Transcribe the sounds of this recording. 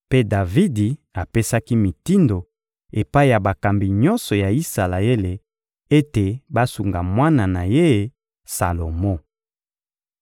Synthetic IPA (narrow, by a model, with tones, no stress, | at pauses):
pe˦da˨vi˦di˨ | a˨pe˦sa˦ki˦mi˨ti˦ndo˨ | e˨pa˦i˨ja˨ba˨ka˨mbi˨ɲɔ˦nsɔ˨ja˨i˦sa˨la˨e˦le˨ | e˦te˨ba˦su˨ŋɡa˨mwa˦na˨na˨je˦˨ | sa̰˨lo˨mo˦